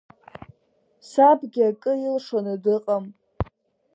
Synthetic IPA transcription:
sabɡʲɪakʼɨilʂanɨdɨqʼam

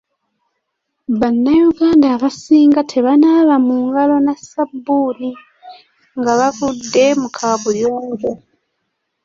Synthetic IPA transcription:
βanːajuɡaːndaːβasiːŋɡatʰe̞βanaːβamuːŋɡalo̞nasabːuːni | ŋɡaβavudːe̞mukʰaβuljoːŋɡo

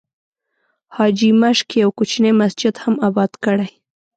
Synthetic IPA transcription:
hɑd͡ʒimaʃkjawkut͡ʃnejmasd͡ʒɪd̪hamabɑd̪kəɽaj

